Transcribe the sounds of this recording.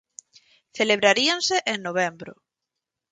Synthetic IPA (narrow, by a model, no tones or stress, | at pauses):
θeleβɾaɾianseʔeŋnoβ̞embɾo̰